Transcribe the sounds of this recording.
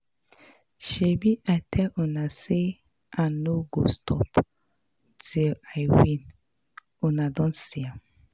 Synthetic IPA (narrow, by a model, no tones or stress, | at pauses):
ʃebiʔatʰɛlonase | anoɡo̰stɔ̰p | tilajwĩn | onadɔ̃nsia